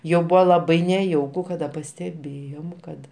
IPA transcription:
ˈjɛʊ ˈbʊʋoː lˠɐˈbɐɪ nʲɛˈjɛʊkʊ kɐˈdɐ pɐsʲtʲɛˈbʲeːjoːm ˈkɐt

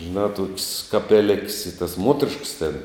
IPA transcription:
ʒʲɪˈnɑː toːkʲsʲ kɐpʲɛˈlʲɪkʲsʲ ɪ tɐs ˈmuɔtʲɛrʲɪʃks tʲɛn

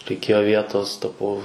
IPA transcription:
rʲɛɪˈkʲeːjoː ˈʋʲiɛtoːs ˈtɑːpɐʊ

